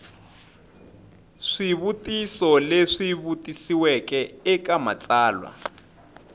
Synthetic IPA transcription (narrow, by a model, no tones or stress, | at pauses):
ʂiβutisɔleʂiβutʼisiwɛkɛɛkama̰t͡sʼaːlwa̰